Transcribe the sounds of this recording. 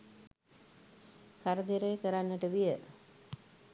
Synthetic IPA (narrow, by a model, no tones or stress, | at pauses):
kaɾəd̪iɾejkəɾanːəʈəʋijə